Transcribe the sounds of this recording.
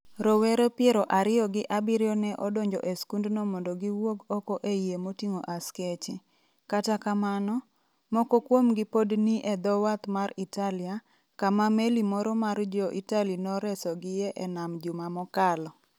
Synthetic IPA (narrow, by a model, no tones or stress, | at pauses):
ɾowɛɾepɪɛɾɔʔaɾɪjɔɡɪʔabɪɾjɔnɛʔɔdoɲd͡ʒɔ̰ʔeskundnɔmɔndɔɡiwoɡɔkɔʔejemotiŋoʔasket͡ʃɪ | katakamanɔ | mɔkɔkwomɡɪpodniʔɛd̪ɔwat̪maritalɪa | kamamelimɔɾɔmard͡ʒɔʔitalinɔɾɛsɔɡɪjɛʔɛnamd͡ʒumamɔkalɔ